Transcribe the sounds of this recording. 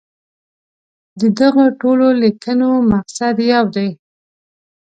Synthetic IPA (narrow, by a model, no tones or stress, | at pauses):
d̪əd̪aɣoʈololikənomaqsad̪jawd̪aj